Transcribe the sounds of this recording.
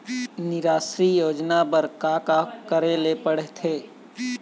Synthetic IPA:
nɪɾaːsɾijoːd͡ʒnabəɾkaːkakəɾelepəɽeɦt̪ʰeː

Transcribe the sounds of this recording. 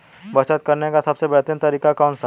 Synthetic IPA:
bɐt͡ʃət̪̚kɐɾnekasɐbsebɛt̪ə̃nt̪ɐɾiːkakɔːnsa

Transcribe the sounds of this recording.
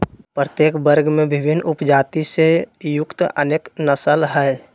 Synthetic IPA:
pɾət̪jeːkbəɾɡmẽbɪbʱɪnːʊpd͡ʒaːt̪isejʊkt̪ə̰neːknəsəlɦɛ

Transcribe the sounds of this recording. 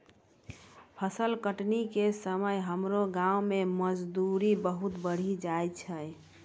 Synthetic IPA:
pʰəsəlkəʈnikesəməjɦəmɾoɡãũmeməd͡ʒd̪uɾibəɦut̪bəɽ̤id͡ʒajt͡ʃʰə

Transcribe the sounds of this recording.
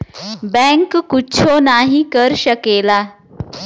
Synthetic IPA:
bɛ̃ŋkkːutːt͡ɕʰonaɦikəɾɕəkela

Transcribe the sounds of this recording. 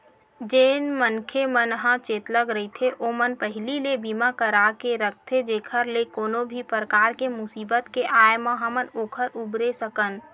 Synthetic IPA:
d͡ʒeːnmənkʰemənɦãt͡ʃeːt̪ləɡɾəɦit̪ʰeʔoːmənpəɦɪlilebiːmakəɾakeɾək̚ʰt̪ʰed͡ʒeːkʰəɾlekoːnobʱipɾəkaːɾkemʊsiːbət̪keʔaːjmãɦəmənoːkʰəɾʊbɾesəkən

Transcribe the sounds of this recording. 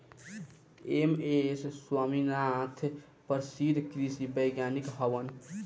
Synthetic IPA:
emesswaminat̪ʰ | pəɾsid̪ʱkɾisibəjɡjanikɦəʋən

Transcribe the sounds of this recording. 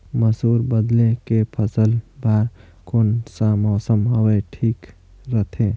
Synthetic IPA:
məsuːɾbəd̪lekepʰəsəlbaːɾ | konsamɔːsəmɦəweʈʰiːk | ɾət̪ʰẽ

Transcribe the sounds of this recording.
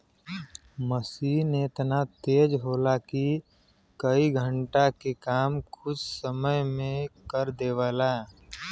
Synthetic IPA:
məsiːnet̪nat̪eːd͡ʒɦoːlaki | kəiɡʱə̃ɳʈakekaːmkʰʊd͡ʒsəməjmẽkəɾd̪eːʋəla

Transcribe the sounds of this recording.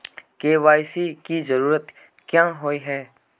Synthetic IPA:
keːʋaːjsikizəɾuːɾət̪ | kjãːɦoːiɦɛː

